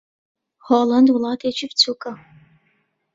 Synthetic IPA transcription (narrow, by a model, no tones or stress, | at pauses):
hɔːlɐndwulaːtʰeːt͡ʃʰɪpt͡sʰukʼɐ